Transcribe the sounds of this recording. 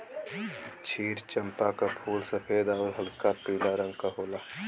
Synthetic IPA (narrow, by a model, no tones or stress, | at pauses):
t͡ʃʰiːɾt͡ʃəmpakapʰuːlsəpʰeːd̪ɔːɾɦɐlkapiːlaɾə̃ŋɡkaɦoːlaː